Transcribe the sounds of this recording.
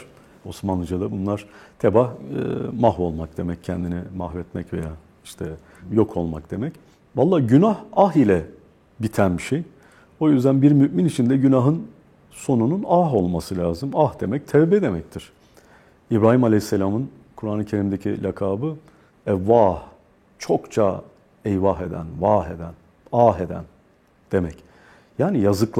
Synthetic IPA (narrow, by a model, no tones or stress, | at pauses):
o̞smanˠɯd͡ʒad̪ˠabunlˠaɾ̥t̪ʰebahmahvo̞lˠmak̚d̪e̞mɛc̚ʰɛnd̪inɛmaɦvɛt̪mɛcve̞̰jaː | iʃt̪ʰɛ | jo̞kʰo̞lˠma̰kd̪̥e̞mɛc | valˠːaːɟynahaɦilʲɛ | bit̪ʰænbiʃej | o̞jyzd̪ænbiɾmyʔminit͡ʃʰind̪ɛɟynaɦɯn | so̞nununaɦo̞lˠmasɯlʲaːzɯmahd̪e̞mɛc̚t̪ʰɛvbed̪e̞mɛct̪ʰiɾ̥ | ibɾaːɦimalʲɛjisːelʲaːmɯn | kʰuɾanɯcʰe̞ɾimd̪ecʰḭlʲʔakʰaːbɯ | ɛvaːh | t͡ʃʰo̞kt͡ʃʰa̰ | ɛjvaɦe̞d̪æ̰nvaːɦe̞̰d̪æn | aːɦe̞d̪æ̰n | d̪̥e̞mɛc | jaːnijazɯkˠ